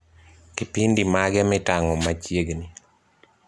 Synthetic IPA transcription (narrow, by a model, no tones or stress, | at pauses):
kipindimaɡɛmɪtaŋɔmat͡ʃjeɡni